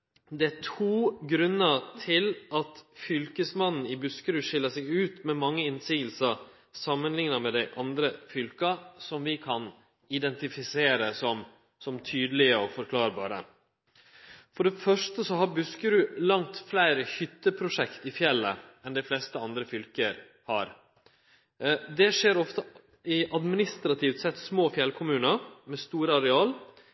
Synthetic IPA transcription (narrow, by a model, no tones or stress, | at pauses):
d̪ɛætʰuːɡɾʉnːət̪ʰɪlʔɑt̪fʏlkəsmɑnn̩ɪbʉskəɾʉːʂɪlːəsɛɡʉːt̪mɛmɑŋːəɪnsiːɡəlsə | sɑmːənlɪŋnəɾmɛd̪æɪʔɑnd̪ɾəfʏlkɑsɔmʋɪkʰɑn | ɪd̪ɛnt̪ɪfɪseːɾəsɔm | sɔmt̪ʰyːd̪əlɪəɔfɔɾkʰlɑːɾbɑ̰ːɾə̰ | fɔɖɛfœʂʈəsɔɦɑɾbʉskəɾʉlɑŋt̪flæɪɾəçʏt̪ːəpʰɾʊʂɛkt̪ɪfjɛlːə̰ɛnd̪æɪflɛst̪əɑnd̪ɾəfʏlkəɾ | hɑɾ | d̪ɛʂeːɾɔft̪ə | ɪʔɑd̪mɪnɪst̪ɾɑt̪ʰɪft̪sɛt̪ːsmoːfjɛlkʰʊmʉːnəɾmɛst̪uːɾəɑɾɛɑːl